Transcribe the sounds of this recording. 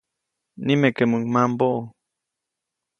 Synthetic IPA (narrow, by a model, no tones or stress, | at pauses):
nimekemuŋmãmboʔo